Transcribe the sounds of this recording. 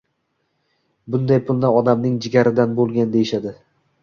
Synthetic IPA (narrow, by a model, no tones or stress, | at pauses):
bʊnd̪ajpʊlˠnɪɒd̪amnɪŋd͡ʒɪɡʲaɾɪd̪anbolˠɡʲand̪e̞jɪʃad̪ɪ